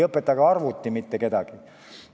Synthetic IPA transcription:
ɤpːˑet̪ːˑɑɡɑɑrvut̪ʲːimit̪ːeke̞d̪̥ɑɡ̥i

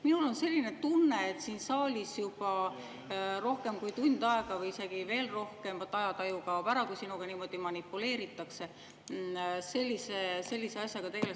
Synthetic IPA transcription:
minulo̞nse̞lʲːine̞t̪unːeːt̪siːnsɑːlʲisjub̥ɑ | ɾo̞hke̞mkujt̪und̪̥ɑe̞ɡ̥ɑvɯjise̞ɡ̥ive̞ːlro̞hke̞mvɑt̪ːˑɑjɑt̪ɑjuɡɑpæɾɑkujsinuɡ̥ɑniːmo̞d̪̥imɑnipːˑule̞ːɾit̪ːˑɑkse̞ | se̞lʲːisese̞lʲːise̞ɑsjɑɡ̥ɑt̪e̞ɡe̞le

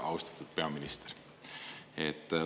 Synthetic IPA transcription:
ʔɑ̰wst̪ɑ̥t̪ːˑud̪̥̚pe̞ɑminist̪eɾ | et̪ː

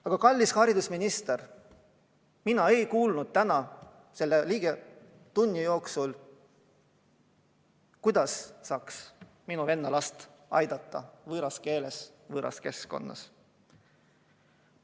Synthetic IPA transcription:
ɑɡ̥ɑkɑlʲːishɑɾid̪usminist̪er | minɑe̞jkuːlnud̪̥̚t̪ænɑ | se̞lːeliːɡ̥e | t̪unʲːijo̞ːksul | kujd̪ɑssɑːks | minuve̞nːɑlɑst̪ɑ̰jd̪̥ɑt̪ːˑɑ̰vɤːɾɑske̞ːle̞svɤːɾʔɑ̰ske̞sko̞̰nːɑ̰s

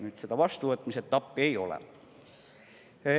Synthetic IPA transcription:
nyt̪sit̪æʋɑst̪uːet̪ːmiset̪t̪ɑpːieiolḛ

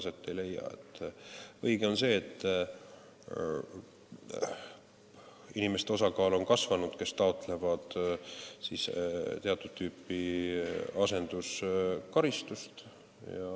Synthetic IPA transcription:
set̪ːejle̞jːɑ̰et̪ːɤjɡ̥e̞o̞nse̞ːt̪ː | inime̞st̪e̞o̞sɑkɑːlo̞nkɑsvɑnud̪̥ke̞st̪ɑo̞t̪ːˑle̞vɑd̪̥ | sist̪e̞ɑt̪ːˑud̥̪̚t̪ːyːpːˑi | ɑse̞nd̪̥uskɑɾist̪ust̪ | jɑ̰

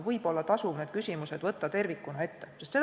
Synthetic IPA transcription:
vɤjb̥o̞lːɑt̪ɑsuvned̪̥kysʲimuse̞d̪vɤt̪ːɑt̪e̞rvikːˑunɑe̞t̪ːe̞sest̪se̞

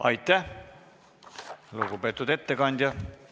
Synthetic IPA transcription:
ɑ̰jt̪ːˑæ | luɡupe̞t̪ːˑud̪̥e̞t̪ːe̞kɑnʲd̪ʲjɑ

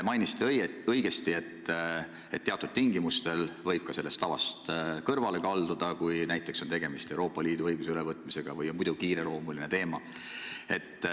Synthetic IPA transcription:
mɑjnist̪eɤjɡ̥e̞st̪ie̞t̪ː | et̪ːe̞ɑt̪ːˑud̪̥̚t̪iŋɡimust̪e̞lvɤjb̥̚kɑse̞lːe̞st̪ːɑvɑ̰st̪kɤrvɑle̞kɑld̪̥ud̪̥ɑkujnæjt̪ːˑe̞kso̞nt̪e̞ɡ̥e̞mist̪e̞uɾo̞ːpːˑɑliːd̪uɤjɡ̥usylevɤt̪ːˑmise̞ɡ̥ɑvɤjomujd̪̥ukiːɾelo̞ːmuline̞t̪e̞ːmɑ | e̞t̪ːˑ

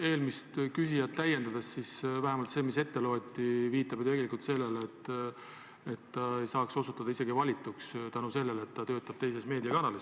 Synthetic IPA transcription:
e̞ːlmist̪kysijɑt̪ːæje̞nd̪̥ɑd̪̥essisvæɦemɑlt̪se̞ːmise̞t̪ːe̞loːt̪ʲːˑiviːt̪ːˑɑbjot̪e̞ɡe̞likult̪se̞lːe̞let̪ː | e̞t̪ːɑe̞jsɑːkso̞sut̪ːˑɑd̪ɑise̞ɡ̥ivɑlʲit̪ːˑukst̪ænuse̞lːe̞let̪ːɑt̪ø̞ːt̪ːˑɑb̥̚t̪e̞js̬e̞sme̞ːd̪iɑkɑnɑles

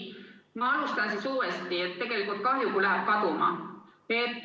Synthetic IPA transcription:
mɑɑlust̪ɑnsisuːɾest̪iet̪ːe̞ɡ̥e̞likult̪̚kɑɦjukulæɦæb̥̚kɑt̪umɑ̰pe

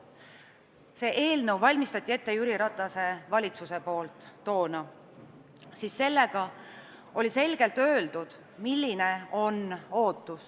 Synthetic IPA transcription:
se̞ːʔe̞ːlnɤwvɑlʲmist̪ɑt̪ʲːˑie̞t̪ːe̞jyɾiɾɑt̪ːˑɑse̞vɑlʲit̪suse̞po̞ːlt̪ˑːo̞ːnɑ | sisːe̞lːe̞ɡ̥ɑ | o̞lʲise̞lɡ̥e̞lt̪ø̞ːld̪ud̪̥ | milʲːineo̞no̞ːt̪ːˑus

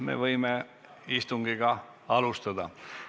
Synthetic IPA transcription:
mḛvɤjme | ist̪uŋɡiɡ̥ɑ | ɑlust̪ɑd̪ɑ

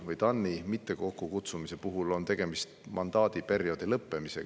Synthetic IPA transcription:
vɤjt̪ɑnːimit̪ːe̞ko̞kˑːukut̪sumise̞puɦulo̞nt̪e̞ɡ̥e̞mist̪mʔɑnd̪ɑːd̪̥ipe̞ɾjo̞d̪̥ilɤpːe̞mise̞̰

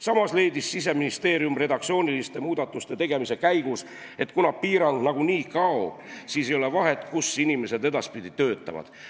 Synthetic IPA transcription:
sɑmɑsle̞ːd̪isːis̬e̞minist̪e̞ːɾjumred̪ɑk̪̚sio̞ːnʲilist̪e̞muːd̪̥ɑt̪ːˑust̪e̞t̪e̞ɡ̥e̞mise̞kæjɡ̥us | e̞t̪ˑkunɑpiːɾɑnd̪̥nɑɡuniːkɑob̥siːsejole̞vɑɦe̞t̪ːˑkusinime̞se̞d̪e̞d̪ɑspid̪̥it̪øːt̪ˑːɑ̰vɑ̰d̪̥

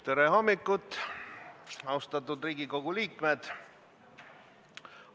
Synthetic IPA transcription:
t̪eɾeɦomːikːˑut̪ːˑ | ɑwst̪ɑt̪ːˑud̪riːɡiko̞ɡ̥uliːkme̞d̪̥

